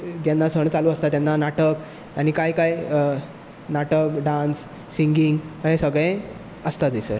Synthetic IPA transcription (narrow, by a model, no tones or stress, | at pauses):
d͡ʑanːasəɳt͡saluːəst̪at̪janːanaʈək | añikajkaj | naʈəkɖãnsː | iŋɡiŋɡəɦesəɡɭẽ | əst̪at̪esəɾ